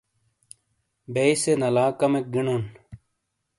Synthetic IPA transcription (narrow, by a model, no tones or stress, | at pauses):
bejsenɐlaːkɐmek̚ɡinon